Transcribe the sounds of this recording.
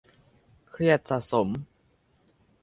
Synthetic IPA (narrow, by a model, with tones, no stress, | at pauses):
kʰɾi˥˩ət̪̚sa˨˩ʔso˩˦m